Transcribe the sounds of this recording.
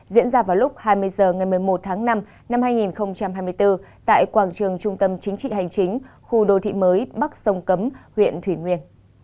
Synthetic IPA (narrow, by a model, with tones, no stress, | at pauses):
zḭ˧˥ənzaː˧vaː˨˩wlʊ˦˥k͡p̚haː˧jmɨ˧əjzəː˨˩ŋa˨˩jmɨ˨˩əjmo˨˩t̚t̪ʰaː˨˦ŋna˧m | na˧mhaː˧jŋi˨˩nxə˧wŋ͡mt͡ɕa˧mhaː˧jmɨ˧əjt̪ɨ˧t̪a̰ː˧˨jkwaː˧˩ŋt͡ɕɨ˨˩əŋt͡ɕʊ˧ŋ͡mt̪ə˧mt͡ɕï˨˦ŋ̟t͡ɕḭ˧˨ɦa˨˩jŋ̟t͡ɕï˨˦ŋ̟xu˧ɗo˧t̪ʰḭ˧˨məː˨˦jɓa˦˥k̚sə˧wŋ͡mkə˨˦mhwḭ˧˨ənt̪ʰwi˧˩ŋwi˧ən